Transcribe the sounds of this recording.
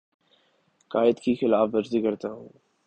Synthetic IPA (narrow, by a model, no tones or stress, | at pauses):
kaːjɪəd̪kixɪlaːfʋɐɾzikɐɾt̪aɦũː